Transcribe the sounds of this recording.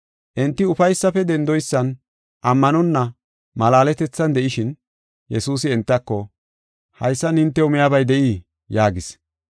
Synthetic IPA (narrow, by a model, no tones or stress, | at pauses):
ʔɛnt̪ːɪʊfɐjsːɐfɛd̪ɛnd̪ɔjsːɐn | ʔɐmːɐnɔnːɐ | mɐlaːlɛt̪ɛt͡sːɐnd̪ɛʔɪʃɪn | jɛsuːsɪɛnt̪ːɐkːɔ | hɐjsːɐnhɪnt̪ːɛʊmɪjabɐjd̪ɛʔiː | jaːɡɪs